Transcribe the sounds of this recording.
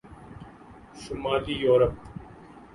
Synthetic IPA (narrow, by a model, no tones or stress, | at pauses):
səmaːliːjoːɾəp̚